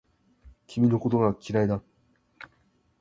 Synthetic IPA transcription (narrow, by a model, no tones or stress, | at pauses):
kʲʰimʲino̞ko̞t̪oɡakʲiɾaid̪a